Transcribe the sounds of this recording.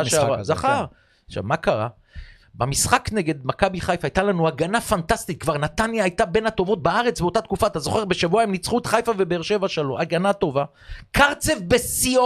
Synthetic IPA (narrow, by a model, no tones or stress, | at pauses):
ʃzaχaʁ | ʃa̰vmakaʁa | bamisχakneɡe̞d̪makabiχajfaːjt̪alanuaɡanafantast̪it̪̚kvaʁnat̪anjaːjt̪abe̞nhat̪o̞vo̞t̪̚baaʁet͡sbet̪at̪kufaːt̪azo̞χe̞ʁbe̞ʃavuaimnit͡sχut̪χajfavebeːʁʃe̞vaʃeloʔaɡanat̪o̞va | kaʁt͡sefbesio